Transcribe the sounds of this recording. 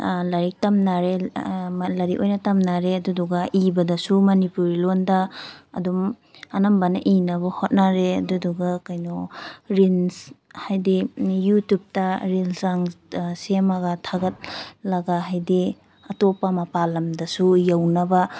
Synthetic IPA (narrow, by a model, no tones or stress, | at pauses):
lɐɾik̚tɐmnaɾe | lɐɾiʔojnɐtɐmnaɾeɐduduɡaʔibɐdɐsumɐnipuɾilonda̰ːdum | ɐnɐmbɐnɐʔinɐbɐhot̚naɾeɐduduɡakajnɔɾinshajdijutup̚tɐɾilzaŋsemaɡatʰaɡɐt̚lɐɡaɦajdi | ɐtopamɐpalɐmdɐsujawnɐba